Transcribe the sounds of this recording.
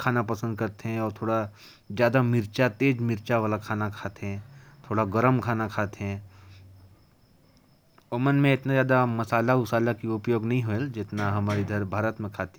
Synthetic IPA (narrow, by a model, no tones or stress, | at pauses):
kʰaːnapɐsə̃nd̪̚kɐɾt̪eɦɛ̃ɔːɾt̪ʰoːɽa | zjaːd̪amɪɾt͡ʃat̪eːd͡ʒmɪɾt͡ʃaʋaːlakʰaːnakʰaːt̪eɦɛ̃t̪ʰoːɽaɡəɾəmkʰaːnakʰaːt̪eɦɛ̃ | omənmẽɪt̪nazjaːd̪amɐsaːlaʊsaːlakiʊpjoːɡnɐɦĩɦoeld͡ʒɪt̪naɦɐmaːɾid̪ʱɐɾbʱaːɾət̪mẽkʰaːt̪e̥